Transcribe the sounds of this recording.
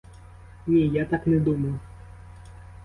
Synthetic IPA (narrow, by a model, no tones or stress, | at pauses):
nʲijat̪aknɛd̪umɐjʊ